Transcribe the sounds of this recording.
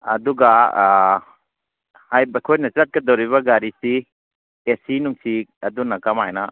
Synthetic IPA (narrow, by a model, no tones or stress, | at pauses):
ɐ̰duɡa | hajbakʰojnɐsat̚kɐdɔwɾiβaɡaɾisi | esinuŋsiɐdunɐkamajna